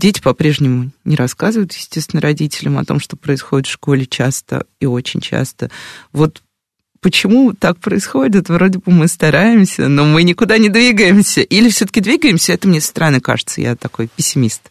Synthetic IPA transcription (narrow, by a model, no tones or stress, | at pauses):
dʲetʲɪ̥pɐpɾʲe̞ʐnʲɪmʊnʲɪɾɐskazɨvəjʊt̪jɪsʲtʲest̪ʲɪnəɾɐdʲitʲɪlʲəmɐ̰t̪o̞̰mʂt̪o̞pɾəɪsxo̞dʲɪt̪fʂko̞lʲɪt͡ɕast̪ə̰io̞t͡ɕɪ̰nʲt͡ɕa̰st̪əvo̞t̪ | pət͡ɕɪmut̪ak̚pɾəɪsxo̞dʲɪt̪vɾo̞dʲɪbɨmɨst̪ɐɾaɪmsʲə̰no̞mɨnʲɪkʊd̪anʲɪd̪vʲiɡəjɪmsʲəʔilʲɪfsʲot̪ə̥kʲɪd̪vʲiɡəɪmsʲəɛt̪əmnʲest̪əɾɐnɨka̰ʐɨt̪sə̰ja̰t̪ɐko̞jpʲɪsʲːɪmʲist̪